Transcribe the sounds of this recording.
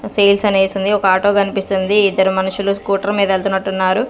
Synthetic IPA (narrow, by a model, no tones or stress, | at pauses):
sejlsɐneːjsund̪iɔkɐaːʈo̞ːkɐnipist̪und̪iːd̪ːɐɾimɐnuʂuluskuːʈɐɾmiːd̪ɐelt̪unːɐʈːunːaːɾu